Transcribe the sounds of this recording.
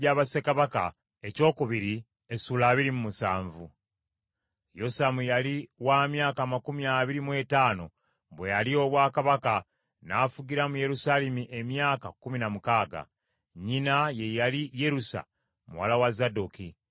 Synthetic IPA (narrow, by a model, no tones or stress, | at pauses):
aːβasekaβaka̰ | e̞co̞ːkuβiɾi | esuːlaːβiɾimumusa̰ːɱvu | jo̞samujaliwaːmjaːkaːmakumiaːβiɾimwe̞taːno̞̰ | βwe̞jalio̞βwaːkaβaka | nafuɟiɾamuje̞ɾusalemiʔe̞mjaːkakuminamukaːɡa̰ | ɲinaje̞jalije̞ɾusa̰ | mṵwa̰lawazaduki